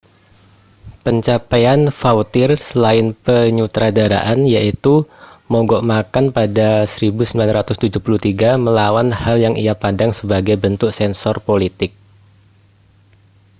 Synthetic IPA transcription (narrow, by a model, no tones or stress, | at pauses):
pəɲt͡ʃapajanfaut̪ɪrsəlaɪnpəɲut̪ɾadaɾa̰ʔanjaʔit̪umɔɡɔʔmakanpadasəɾibusəmbilanɾat̪ʊst̪ud͡ʒuhpulut̪iɡaməlawanhaljaŋijapadaŋsəbaɡajbənt̪ʊksɛnsɔrpolit̪ɪk̚